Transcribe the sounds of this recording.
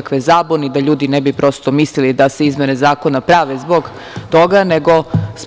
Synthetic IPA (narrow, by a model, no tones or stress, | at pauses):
akʋezaːbonid̪aʎuːd̪inebipɾo̞ːst̪omislilid̪ase̞izmʲjenezaːko̞napɾaʋezboɡ | t̪o̞ɡaneɡo̞s